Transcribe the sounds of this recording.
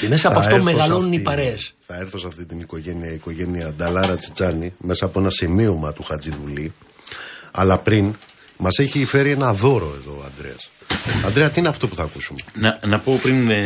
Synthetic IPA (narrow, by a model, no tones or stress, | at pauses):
me̞sɐpoɐfeoɾmeɣɐlonunipɐɾesθɐe̞ɾθo̞sɐft̪it̪iniko̞ʝe̞niɐiko̞ʝe̞niɐd̪ɐlɐɾɐt͡si̥t͡sɐnime̞sɐːpo̞e̞nɐsimio̞mɐt̪uxɐd͡ziðuli | ɐ̰lɐpɾin | mɐse̞çiːfe̞ɾie̞nɐðo̞ɾo̞eðo̞ːɐ̰nd̪ɾe̞̰ɐsɐnd̪ɾeɐt̪iineɐft̪o̞puθɐːkusumenɐnɐpo̞pɾin